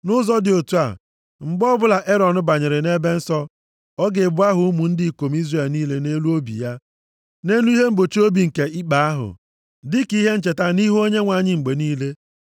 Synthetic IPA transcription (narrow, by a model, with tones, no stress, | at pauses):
nʊ˦zɔ˦dɪ˨o˨tu˦a̰˨ | ŋ͡m̩˨ɡ͡bɔ˦bʊ˦la˨ʔe˦ɾɔ˨nʊ˦ba˨ɲɪ˨ɾɪ˨ne˦be˦n̩˦sɔ˦ | ɔ˦ɡe˨bʊ˦a˦ɦʊ˨u˦mu˨n̩˦dɪ˦˨ko˨m˦i˦zre˨lniː˦le˦ne˦lu˦o˦bḭ˨ja˦ | ne˦nu˦i˦ɦe˦m̩˦bo˨t͡ʃo˦bi˨ŋ̩˨ke˨ɪ˦k͡pa˨a˦ɦʊ̰˨ | dɪ˦ki˦ɦe˦n̩˦t͡ʃe˨ta˦ni˦ɦu˦o˦ɲe˦ŋʷa˨ɲɪ˦ŋ͡m̩˨ɡ͡be˨niː˦le˦